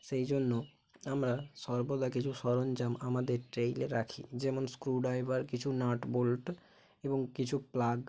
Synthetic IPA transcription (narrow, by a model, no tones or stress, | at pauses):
ʃejd͡ʑonːo | amɾaʃɔɾbod̪akit͡ɕʰuʃɔɾond͡ʑamamad̪eɾʈɾejleɾakʰḭd͡ʑɛmonskɾuɖajbaɾkit͡ɕʰunaʈbolʈ | eboŋkit͡ɕʰuplaɡ